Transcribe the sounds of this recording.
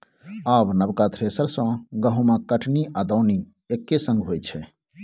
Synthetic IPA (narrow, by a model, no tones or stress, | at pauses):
aːbnəbkat̪ʰɾeːsəɾsãːɡəɦũmãkəʈʰniʔad̪aːni | ekːesə̃ŋɡɦoːjt͡ʃʰɛ